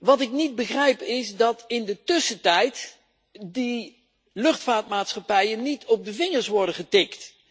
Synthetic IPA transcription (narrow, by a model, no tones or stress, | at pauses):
ʋɑtɪknid̚bəχrɛjpɪsdɑtɪndətɵsətɛjt | di | lɵχtfaːtmaːtsχɑpɛjənːitʰɔb̚dəvɪŋəɹsʋɔɹdəχətɪkt